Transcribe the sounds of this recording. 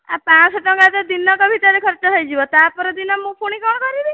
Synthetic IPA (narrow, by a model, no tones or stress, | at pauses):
apãsɔʈɔŋɡat̪ɔd̪inɔkɔbʱit̪aɾekʰɔɾt͡ʃɔɦəjd͡ʒibɔt̪apɔɾɔd̪inɔmũpʰuɽ̃ikɔɽ̃ɔkɔɾibi